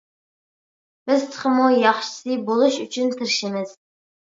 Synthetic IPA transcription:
b̥ɪzt̪ʰə̥χəmujɑχʃɨ̥sibolˠɨʃyt͡ʃʰʊnt̪ʰɨɾʃɪmɪz̥

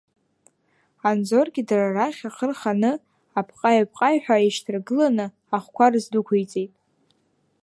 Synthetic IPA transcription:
and͡zo̞rɡʲɪdararaχʲaqʰərχanɨ | apʰqʼajapʼqʼajħʷᶣaiʃtʰɨrɡɨlanɨ | aχʷkʷʰarɨzdukʷʰejt͡sʼejtʼ

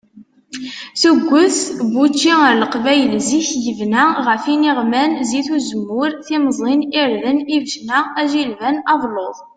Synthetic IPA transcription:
θəɡʷːəθbut͡ʃːiəɾləqvæjəlziçjəvnæʁəfiniʁmænziθuzəmːʊɾθiməzˤliniɾðənivʃnææʒilvænɑðˤloðˤ

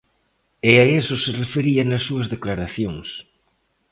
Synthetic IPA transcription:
eaesoserefeɾianɐsːuɐzðeklaɾaθjoŋs

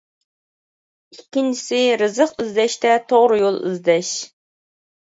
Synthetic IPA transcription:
ikʲʰːint͡ʃʰi̥sɪɾɨzəqɨzd̪ɛʃt̪ɛt̪ʰoʁɾɨjolˠɨ̰zd̪ɛʃ

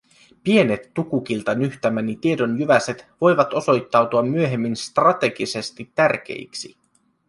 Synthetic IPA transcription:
pie̞ne̞t̪ːukukilt̪ɑnyht̪æmænit̪ie̞do̞njyʋæset̪ʋo̞jʋɑt̪o̞so̞jt̪ːɑwt̪uɑmːyø̞ɦe̞mːinst̪rɑt̪e̞ɡise̞st̪it̪ːærk̟e̞̰iksḭ

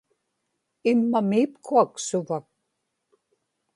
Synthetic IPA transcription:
ɪmːamiːpkʰuaksʊvak̚

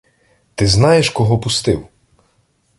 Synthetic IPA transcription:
t̪ɪznɑjeʃkɔɦɔpʊst̪ɪw

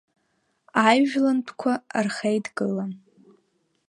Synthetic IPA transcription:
ajʒᶣlantʰkʷʰarχejdɡɨlan

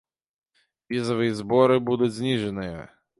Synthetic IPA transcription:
ʋʲizɔʋɨjizbɔɾɪbud̪ʊtʲzʲnʲiʐɛnɨjɐ̰

